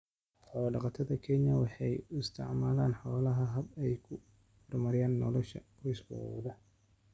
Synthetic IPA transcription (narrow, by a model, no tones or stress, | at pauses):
ħɔːwɖɑqɑt̪ʰɐðɐkʰɛnjɐwɑħɑjʊɪst̪ʰɪ̰ʕmaːlaːnħɔːlɐɦɐɦɐbɛjkʰʊ | fɐrmɐɾɪjaːnːɔ̰lɔʃɐ̰fɔsbɔ̰w̰ðɐ